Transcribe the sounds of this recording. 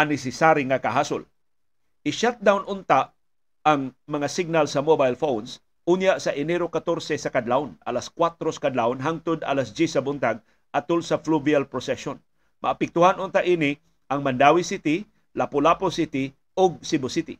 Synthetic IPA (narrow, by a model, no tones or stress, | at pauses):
anɛsɛsaɾiŋakaɦasʊ̰l | ʔɪʃat̪̚d̪awnʔʊnt̪aʔː | ŋmɐŋasɪɡ̚nalsɐmobajlfowns | unjaʔsɐʔɪnɛɾokat̪oɾsɛsɐkad̪laʊnalaskwat̪ɾosḁkad̪laʊnɦaŋt̪ʊd̪a̰lasd͡ʒisɐbʊnt̪aɡ̚ | ʔat̪ʊlsɐfluvialpɾosɛʃon | mʔɐ̰ːpɛk̚t̪uhanʔʊnt̪aʔiːnɪ | ʔɐŋmɐnd̪awisit̪ɪ | lapʊlaposit̪ɪ | ʊɡ̚sɪbʊsit̪ɪ̰